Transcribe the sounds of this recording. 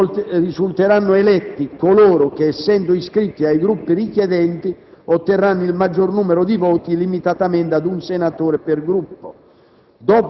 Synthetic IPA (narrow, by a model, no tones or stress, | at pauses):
risult̪eɾanːʊɛlɛt̪ːikoloːɾʊk̟eɛsːɛnd̪ʊiskɾit̪ːiajɡɾupːirikjɛd̪ɛnt̪iot̪ːerːanːʊilmad͡ʒːornuːmɛɾʊd̪ivɔːt̪ilimit̪at̪amɛnt̪ad̪unsenat̪oːɾeperɡɾupːo | d̪ɔːp